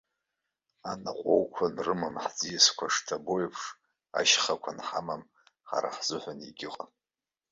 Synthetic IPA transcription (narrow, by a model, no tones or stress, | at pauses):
anaqʷʼowkʷʰanrɨmamħd͡zijaskʷʰaʂtʰabojpʰʂ | a̰ʃχakʷʰanħamam | ħa̰ɾa̰ħzʊħʷaniɡʲɪqʼa